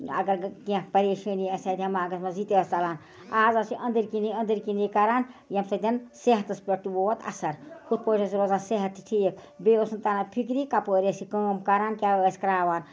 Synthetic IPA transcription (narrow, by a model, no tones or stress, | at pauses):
ɐ̰ɡɐɾkiãkpɐɾeːʃɐniɐsaːd̪ʲɐmaːɡɐsmɐzit̪est̪ɐlaːn | aːzɐsiʔɐnd̪iɾkiniɐnd̪iɾkinikɐɾaːnjɐmsɐd̪ʲɐnseɦɐt̪ɐspɾɐʈːuboːɐt̪ɐ̰sɐɾkʰut̪̚poːʈʰɐsiɾoːzaːnseɦɐt̪ːiʈʰikbeosɐnt̪anapʰikɾikapoːɾesikəːmkaɾaːnkʲaɐsʲkɾaːʋaːn